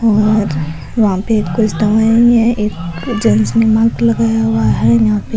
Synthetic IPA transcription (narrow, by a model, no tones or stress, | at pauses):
ɔːɾ | ʋɐɦãpekkːʊt͡ʃʰd̪ɐmaiɦɛʔeːkd͡ʒənsnemãɡlɐɡajaɦuaɦɛjɐɦãpe